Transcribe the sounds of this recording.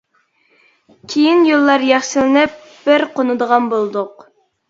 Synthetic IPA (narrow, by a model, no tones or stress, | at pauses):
kʲʰejinjolˠːɑɾjɛχʃɪlɪnɪp̚ | b̥ɪɾqʰonɨd̪əʁɑnbolˠd̪ʊq